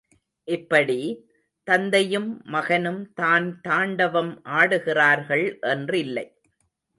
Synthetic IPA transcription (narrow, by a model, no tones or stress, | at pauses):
ʔɪpːɐɽi | t̪ɐnd̪ɐjɯmːɐɣɐnɯmt̪aːnt̪aːɳɖɐʋɐmʔaːɽɯɣɪraːɾɣɐɭʔɛndrɪlːɐɪ